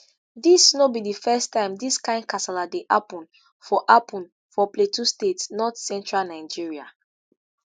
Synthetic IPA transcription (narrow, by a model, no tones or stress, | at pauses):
disnobidifɛstãɪ̃mdiskãɪ̃ndkasɛladeʔapɔ̃n | fɔʔapʰɔ̃n | fɔpletʰustetsnɔtsɛ̃ntɹalnaɪd͡ʒiɹia̰